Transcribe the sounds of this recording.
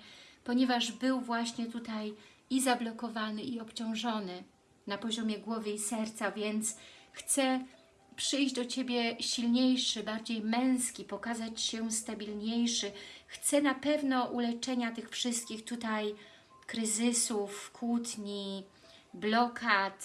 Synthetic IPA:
pɔɲɛvaʐbɘwvwaɕɲɛt̪ut̪ajizablɔkɔvanɘiɔpt͡ɕɔ̃w̃ʐɔnɘ | napɔʑɔmʲjɛɡwɔvɘisɛɾt̪savʲjɛnt̪sxt̪sɛ | pʂɘjʑd͡ʑd̪ɔt͡ɕebʲjɛɕilɲejʂɘbaɾd͡ʑejmɛ̃w̃skʲipɔkazat͡ɕɕɛst̪abʲilɲejʂɘxt̪sɛnapɛvnɔʔulɛt͡ʂɛɲat̪ɘxfʂɘst̪̚kʲixt̪ut̪aj | kɾɘzɘsufkʰut̪ɲi | blɔkʰat̪

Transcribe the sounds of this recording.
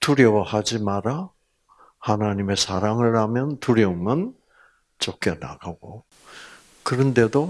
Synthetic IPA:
tuɾjʌwahad͡ʑimaɾa | hanaɲime̞sʰaɾaŋɯɭhamjʌntuɾjʌumɯn | t͡ɕok͈ena̰ɡ̥aɡ̥o | kɯɾɯnde̞do

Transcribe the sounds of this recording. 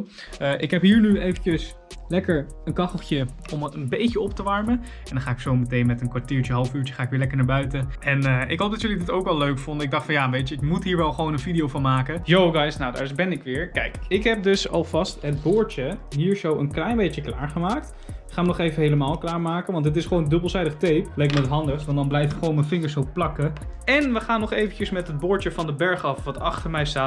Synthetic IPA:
ʔɪkɦɛpɦiːɹnyejvət͡ʃəs | lɛkəɹ | ənkɑχəlˠtjə | ɔmənbejcəɔp̚təʋɑɹmə | ɛ̃ndɑ̃χaːɪksowmətejnmɛtənkʋaɹtiːɹt͡ʃəɦɑlˠfyːɹt͡ʃəχaːɪkʋɪːɹlɛkəɹnaːɹbœɥtəɛnəɪ̰kɦowpdɑtjɵlidɪtowkʋɛlˠːøɥkfɔndəɪɡ̚dɑχtfɑnjaːʋejtəɪkmutɦiːɹʋɛlˠχəʋownənvidijowvɑnmaːkəjowɡajsnawda̰ːbɛnɪkʋɪːɹkɛ̰jkɪkɦɛp̚dɵsɑlˠvɑstɦəd̚bʊːɹt͡ʃəɦiːɹzowʔənklɛjnbejtəkla̰ːɹχəmaːkt | ɪχaːnmənɔχejvənɦejləmaːlˠklaːɹmaːkənʋɑntdɪtɪsχəʋoːwnədɵbəlˠzɛjdəχətejplɛjkməətɦɑndəχstʋɑndɑnblɛjfɪkχʋownməfɪŋəɹsoplɑkəɛnʋəχaːnːɔχejvəncəsmɛtɦəd̚bʊːɹt͡ʃəvɑndəbɛɹχɑfʋɑtɑχtəɹmɛjstaːt

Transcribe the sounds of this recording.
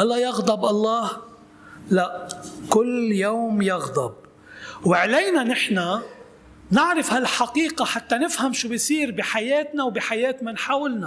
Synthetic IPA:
ʔɑlːɑjɑɣd̪ˤɑbʔɑlˤːɑːh | laʔkʊlːjoːmjɑɣd̪ˤɑb̚ | wɪʕlejnanɪħna | nɪʕɾɑfhalħaqiːqaħat̪ːanɪfhamʃuːbɪjsˤiːɾbiħajeːt̪nawbiħajeːt̪mɪnħaːwɪlna

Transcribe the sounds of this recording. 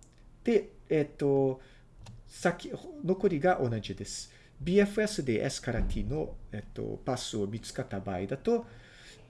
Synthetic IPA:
d̪̥e̞et̪ːo̞ | sakʲino̞ko̞ɾʲiɡaʔo̞naʑid̪e̞sɨ̥ | bʲiːeɸɯ̟esɨd̪e̞ʔa̰sɨ̥kaɾat̪ʲʰino̞et̪ːo̞̰pasɨomʲit͡sɨ̥kat̪abaid̪at̪o̞

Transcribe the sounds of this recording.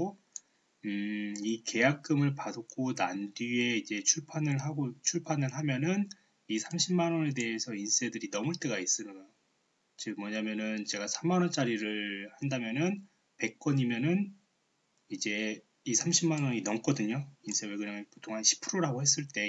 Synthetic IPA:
o | ɯike̞jak̚k͈ɯmɯɭpadokʰonandie̞id͡ʑe̞t͡ɕʰuɭpʰanɯɭɦaɡot͡ɕʰuɭpʰanɯɭɦamjʌnɯn | isʰamɕʰimːanwʌne̞de̞esʰʌins͈e̞dɯɾinʌmuɭt͈e̞ɡais͈ɯnɯa | t͡ɕɯɡmwʌɲamjʌnɯnt͡ɕe̞ɡasʰamanʌnt͡ɕ͈aɾiɾɯɭhandamjʌnɯn | pe̞k̚k͈wʌɲimjʌnɯn | id͡ʑe̞ | isʰamɕʰimːanwʌɲinʌmk͈ʌdɯɲoins͈ʰeweɡuɲaŋpotʰoŋɦanɕʰi̥pʰɯɾoɾaɡohe̞s̬͈ɯɭt͈e̞

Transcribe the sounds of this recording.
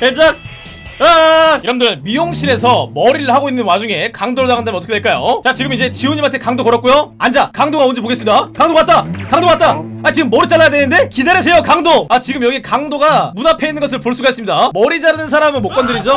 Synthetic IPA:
ed͡ʑan | aiɾʌmndɯɭmijoŋɕʰiɾe̞s̬ʰʌmʌɾiɾɯɭhaɡoinːɯnwad͡ʑuŋe̞kaŋdoɾɭtaɡɯndamɯnt͈ʌkʰeweɭk͈ajo̰t͡ɕat͡ɕiɡɯmid͡ʑe̞t͡ɕiuɲimantʰe̞kaŋdokʌɾʌt̚kujoand͡ʑakaŋdoɡaond͡ʑipoɡes͈ɯmidakaŋdoat̚t͈akaŋdoat̚t͈a | at͡ɕiɡɯmːʌɾɯt͡ɕ͈aɭːajadwe̞nɯnde̞kidaɾesʰe̞jokaŋdoat͡ɕiɡɯmjʌɡikaŋdoɡamunapʰe̞inːɯnŋɡʌs̬ʰɯɭpoɭs͈uɡais͈ɯmɲidamʌɾid͡ʑanɯnsʰaɾamɯnmok͈ʌndɯɾid͡ʑo

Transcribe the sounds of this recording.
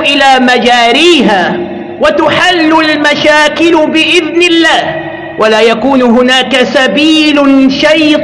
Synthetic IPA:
ʔɪlaːmad͡ʒaːɾiːɦaː | wat̪ʊħalːʊlmaʃaːkɪlʊbɪʔɪðnɪlːaːh | wʔalaːjakuːnʊɦʊnaːkasabiːlʊʃajt̪

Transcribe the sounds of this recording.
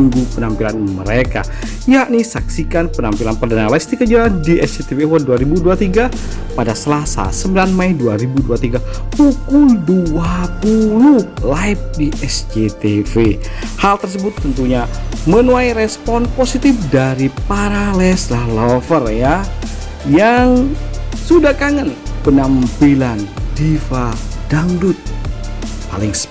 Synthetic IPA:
ŋɡupənampilanmə̰ɾeka̰ | jaʔnisaksikanpənampilanpərdanalaist̪ikəd͡ʒaadiʔɛsd͡ʒet̪evewaduaɾibuduat̪iɡa | padasəlasa̰səmbilanmajduaɾibuduat̪iɡa | pukʊlduapululaip̚diɛsd͡ʒet̪efehalt̪ərs̬əbʊt̪ːənt̪uɲamənuajɾɛspɔnposit̪ɪfdaɾipaɾalɛslahlɔfərja | jaŋsudakaŋənpənampilandifadaŋdʊt̪̚ | palɪŋs

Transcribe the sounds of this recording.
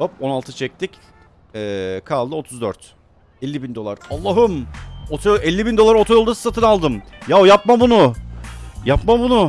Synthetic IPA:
opo̞nalˠt̪ɯt͡ʃʰɛc̚t̪ʰic | ɛːkʰalˠd̪ɯo̞t̪ʰuzd̪øɾt̪ | ɛlʲːibind̪o̞lˠaɾalˠːaːɦɯmot̪ʰɛlʲːibind̪o̞lˠaɾo̞t̪ʰajolˠd̪asɯ̥sat̪ʰɯnalˠd̪ɯmjajapmabunʊ | japmabunʊ

